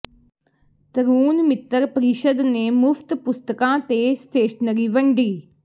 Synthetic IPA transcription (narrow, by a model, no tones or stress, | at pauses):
t̪əɾuːnmɪt̪ːəɾpəɾɪʃəd̪neːmʊfʰt̪pʊst̪əkãːt̪eːst̪eːʃnəɾiːʋəɳɖiː